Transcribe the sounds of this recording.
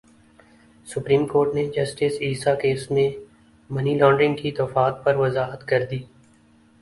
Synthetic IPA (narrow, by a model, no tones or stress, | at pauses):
sʊpɾiːmkoːɾʈned͡ʒɐsʈɪsiːsakeːsmẽ | mɐnilɔ̃ːɳɖɾɪ̃ŋɡkit̪ɐfaːt̪̚pɐɾʋɐzaːɦət̪kɐɾd̪iː